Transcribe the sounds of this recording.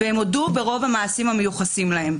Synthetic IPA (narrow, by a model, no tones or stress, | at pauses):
vehemodube̞ʁo̞vhamaːsimhame̞juχasimlahe̞m